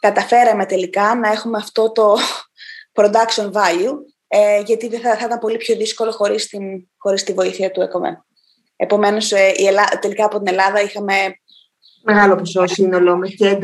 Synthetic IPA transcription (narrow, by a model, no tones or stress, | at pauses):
kɐt̪ɐfe̞ɾɐme̞t̪e̞likɐnɐe̞xume̞ɐft̪o̞t̪o̞ | pɾo̞d̪ɐksonvɐʎu | eʝɐt̪iðeθɐθɐit̪ɐmpo̞lipço̞ðisko̞lo̞xo̞ɾist̪in | xo̞ɾist̪ivo̞iθiɐt̪uekomḛ | epo̞me̞no̞seielɐt̪e̞likɐːpo̞t̪ine̞lɐðɐixɐme̞ | me̞ɣɐlo̞pososino̞lomecend̪